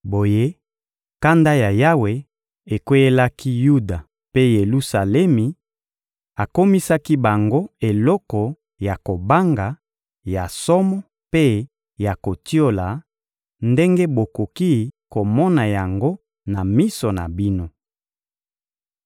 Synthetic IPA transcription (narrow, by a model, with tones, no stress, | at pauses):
bo˨je˦ | ka˦nda˦ja˨ja˦we˨ | e˨ko˦je˦la˦ki˦ju˦da˨ | pe˦je˨lu˦sa˨lɛ˦mi˨ | a˨ko˦mi˦sa˦ki˦ba˨ŋɡo˦e˨lɔ˦kɔ˨ | ja˨ko˨ba˦ŋɡa˨ | ja˨sɔ˦mɔ˦ | pe˦ | ja˨ko˨ti˦o˦la˨ | nde˦ŋɡe˦bo˨ko˨ki˦ko˨mɔ˦na˨ja˨ŋɡo˦ | na˨mi˦sɔ˨na̰˨bi˦no˦